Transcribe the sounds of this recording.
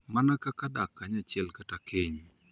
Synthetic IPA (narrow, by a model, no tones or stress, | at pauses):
manakakadakːaɲat͡ʃɪɛlkatakʰɪɲ